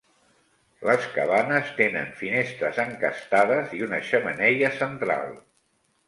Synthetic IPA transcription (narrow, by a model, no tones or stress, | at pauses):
ləskə̰βanəst̪enə̰ɱfinest̪ɾəzəŋkə̰st̪aðəziunəʃəmənɛʎəsənt̪ɾa̰lˠ